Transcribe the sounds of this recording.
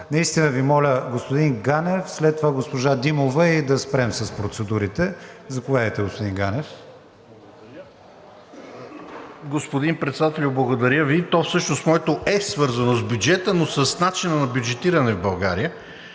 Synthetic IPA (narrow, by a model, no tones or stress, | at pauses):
nɐist̪inəvimɔlʲəɡospod̪inɡanɛfslɛt̪ːovaɡospoʒad̪imovəid̪ɐspɾɛmsɐspɾot̪sɛd̪uɾit̪ɛzɐpovɛd̪ɛt̪ɛɡospʊd̪iŋɡanɛf | ɡospod̪inpɾɛt̪sɛd̪at̪ɛlʲublˠɐɡod̪ɐɾʲəvit̪ɔfsɤʃnosmɔɛt̪oʔɛsvɤɾzɐnozbʲjud͡ʒɛt̪ənosəsnat͡ʃinənɐbʲjud͡ʒɛt̪iɾɐnɛvbɐlˠɡaɾiə